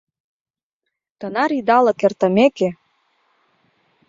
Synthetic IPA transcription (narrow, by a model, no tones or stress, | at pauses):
t̪ɤ̆nɑɾid̪ɑlɤ̆kert̪ə̆meke